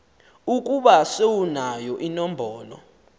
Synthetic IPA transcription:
uk̬ʼuɓasewunajɔʔinɔm̩bʱɔːlɔ̰

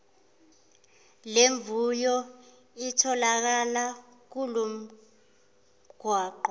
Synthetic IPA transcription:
leɱbvujɔ | itʰɔlak̬ala | k̬ulum̩ | ɡ̥ʱwaːǃɔ

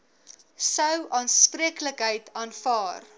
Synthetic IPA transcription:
səwʔɑːnspriəkləkɦəjtʰɑːnfɑːr

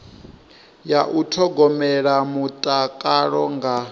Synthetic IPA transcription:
jaʔutʰɔɡɔmɛɺamutʼakʼaɺɔŋɡa

